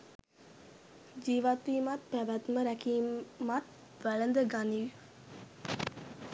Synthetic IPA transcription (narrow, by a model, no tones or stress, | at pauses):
d͡ʒiːʋat̪ʋiːmat̪̚pæʋæt̪məɾækiːmat̪ | ʋæɭənd̪əɡaniʋ